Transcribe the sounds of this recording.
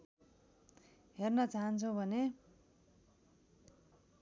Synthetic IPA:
hernʌt͡saɦʌnt͡sʰʌ̃bʱʌne

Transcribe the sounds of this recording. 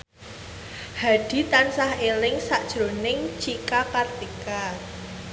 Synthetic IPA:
haɖ̥i̤t̪ansaɦelɪŋsaʔd̥ʒ̥ɾo̤nɪŋt͡ʃikapart̪ika

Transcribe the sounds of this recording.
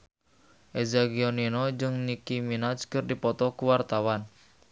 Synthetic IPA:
ʔezaɡiɔninɔd͡ʒɨŋnikiminad͡ʒkɨrdipɔt̪ɔkuwart̪awan

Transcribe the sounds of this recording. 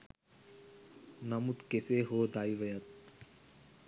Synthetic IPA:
nɐmut̪keseɦoːd̪aːiʋəjət̪̚

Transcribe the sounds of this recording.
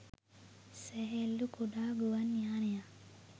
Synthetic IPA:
seɦelːukuɖaːɡuʋanːjaːneja

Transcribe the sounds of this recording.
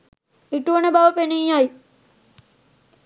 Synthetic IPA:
iʈuənəbaʋəpenijjaj

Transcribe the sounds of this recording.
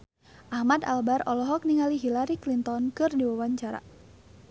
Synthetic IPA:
ʔahmad̪a̰lbaɾɔlɔɦɔk̚niŋaliɦilaɾiklint̪ɔnkɨrdiwawaɲt͡ʃaɾa̰

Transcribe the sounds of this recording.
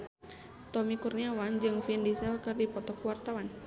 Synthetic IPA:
t̪ɔmikurniawand͡ʒɨŋfindisɛlkɨrdipɔt̪ɔkuwart̪awan

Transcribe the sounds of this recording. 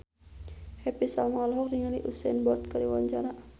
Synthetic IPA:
hɛpisalmalɦɔk̚niŋaliʔusɛ̰nbɔrt̪̚kaɾiwaɲd͡ʒaɾa

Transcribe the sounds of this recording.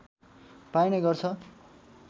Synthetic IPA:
pajnʌɡʌrt͡sʰʌ

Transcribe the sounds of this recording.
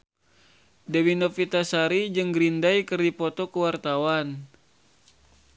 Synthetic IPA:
dɛwinɔfit̪asaɾid͡ʒɨŋɡɾindajkɨrdipɔt̪ɔkəwart̪awan

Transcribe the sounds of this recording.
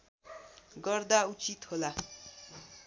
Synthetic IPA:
ɡʌrd̪aut͡sit̪hola

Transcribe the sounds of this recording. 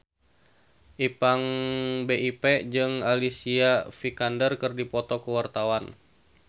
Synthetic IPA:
ʔipaŋbeiped͡ʒɨŋalisiafikandərkɨrdipɔt̪ɔkəwart̪awan

